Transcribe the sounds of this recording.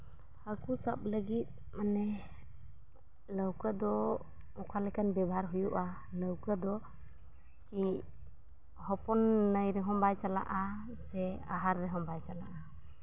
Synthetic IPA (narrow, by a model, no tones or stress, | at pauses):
hakusap̚ləɡit̪̚ | manɛ | ləwkəd̪ɔ | ɔkʰalɛkʰanbɛbʱaɾɦujuʔa | ləwkəd̪ɔ | ki | hɔpɔnːəjɾɛɦɔmbajsala̰ʔa | sɛaɦaɾːɛɦɔmbajsalaʔa